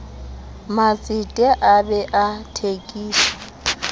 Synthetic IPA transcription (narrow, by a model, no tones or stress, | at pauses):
mat͡sʼitʼɛʔabɛʔatʰekʼiːsɔ̥